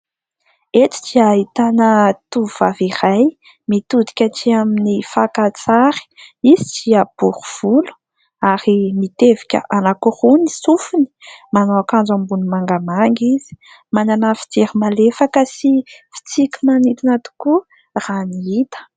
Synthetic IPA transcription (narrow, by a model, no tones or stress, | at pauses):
et͡si̥t͡ʃiait̪anət̪uvaviɾaj | mit̪ud̪i̥kʲaʈ͡ʂiaminifakat͡saɾi̥izit͡ʃiab̥uɾuv̥ulu̥ | aɾimit̪evi̥kʲə̰ʔanakuruni̥sufuni̥manoakand͡zambunumaŋɡamaŋɡiz̥i̥ | mananafi̥t͡seɾimalefakəsifi̥t͡sikʲimanit̪inat̪u̥ku | raniit̪ə̥